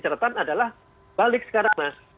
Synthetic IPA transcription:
t͡ʃəɾat̪anadalah | b̥alɪk̚sə̥kaɾaŋmah

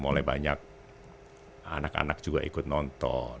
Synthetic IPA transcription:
molaibaɲak̚ | a̰naka̰nak̚d͡ʒuɡaʔikʊt̪̚nɔnt̪ɔn

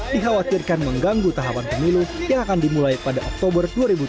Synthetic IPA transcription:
diɦawat̪irkanməŋɡaŋɡut̪aɦapanpəmilujaŋakandimulajpadaʔɔk̚t̪obərduaɾibu

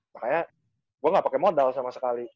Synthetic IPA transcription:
makaja | ɡ̥uaŋɡapakɛmodalsamasə̥kali

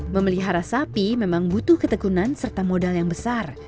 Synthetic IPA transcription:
məməliɦaɾasapimemaŋbut̪uhkət̪əkunansərt̪amodaljaŋbəsar

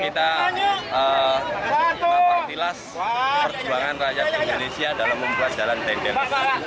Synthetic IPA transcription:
kit̪a | ə | tilas | pərd͡ʒuaŋanrajat̪̚dindonesiadalamːəmbuat̪̚d͡ʒ̥aland̪ɛdɛ

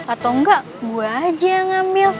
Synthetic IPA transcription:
at̪aŋɡaʔɡuaad͡ʒaaŋambɪl

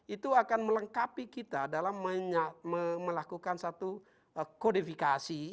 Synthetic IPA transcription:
it̪uakanmələŋkapikit̪adalamːəɲaməmːəlakukansat̪u | kodifikasi

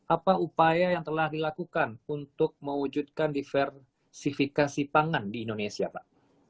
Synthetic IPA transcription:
ʔapaupajajaŋt̪əlahdilakukanunt̪ʊk̚məwud͡ʒut̪̚kandifɛr | sifikasipaŋandiːndonesiapaʔ

